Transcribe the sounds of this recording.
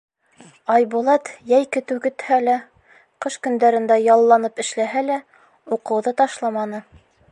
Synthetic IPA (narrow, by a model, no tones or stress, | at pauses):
ɑjbulˠɑt̪jæjkɘ̆t̪ʉkɘ̆t̪hælæ | qɤʃkɵ̆nd̪æɾɘ̆nd̪æjɑlˠːɑnɤpɘ̆ʃlæɦælæ | uqɤ̆wðɤt̪ɑʃlˠɑmɑnɤ